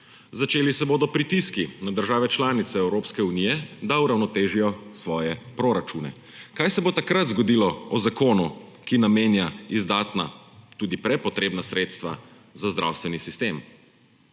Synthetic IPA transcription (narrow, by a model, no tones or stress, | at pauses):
zat͡ʃeːlisɛboːd̪ɔpɾit̪iskinad̪əɾʒaːʋɛt͡ʃlaːnit̪sɛɛwɾoːpskɛunijɛd̪auɾawnɔt̪eːʒijɔsʋɔːjɛpɾoɾat͡ʃuːnɛ̰ | kajsɛbot̪akɾat̪zɡɔd̪ilɔɔzakoːnukinameːnjaizd̪aːt̪na̰ | t̪uːd̪ipɾɛpɔt̪ɾeːbnasɾeːt̪st̪ʋa̰ | zazd̪ɾa̰wst̪ʋɛnisist̪eːm